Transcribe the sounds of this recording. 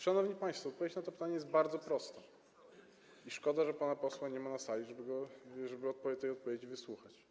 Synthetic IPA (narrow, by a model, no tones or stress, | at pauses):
ʂanɔvɲipaj̃st̪fɔːt̪̚pɔvjet͡ɕnat̪ɔpɘ̥t̪aɲɛjɛst̪̚baɾd̪zɔpɾɔst̪ɛ | iʂkɔd̪aʐɛpanapɔswaɲɛmanasalʲiʐɛbɘɡɔʐɛbɘɔt̪̚pɔt̪ːɛjɔt̪̚pɔvʲed͡ʑivɘswuxat͡ɕ